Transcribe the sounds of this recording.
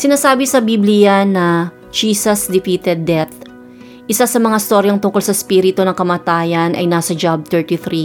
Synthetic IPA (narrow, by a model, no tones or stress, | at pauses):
sɪnaːsaːbɪsɐbiblɪjɐnɐ | d͡ʒiːsɐsd̪ɪfiːt̪ɛd̪̚ːɛt̪ | ʔɪsasɐmɐŋaɪst̪o̞ɾjɐŋt̪ʊŋko̞lsɐspiːɾɪt̪onɐŋkɐmaːt̪aːjɐnʔɐ̰jnaːsɐd͡ʒab̚t̪ɛɹt̪iθɾi